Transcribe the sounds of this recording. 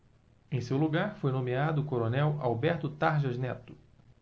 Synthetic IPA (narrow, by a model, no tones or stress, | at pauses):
ẽj̃sewluɡaɾfojnõmiad̪ʊːkoɾonɛwawbɛɾt̪ʊt̪aɾʒɐznɛt̪ʊ̥